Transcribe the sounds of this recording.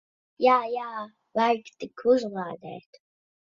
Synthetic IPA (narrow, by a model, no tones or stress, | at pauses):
jaːjaː | vajkt̪ikʰuʒlˠaːd̪ɛ̰ːt̪